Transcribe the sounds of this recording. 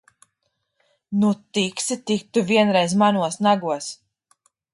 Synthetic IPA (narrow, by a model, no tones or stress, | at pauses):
nut̪iksit̪ik̚t̪uviɛnɾɛjzmanuɔsnaɡuɔs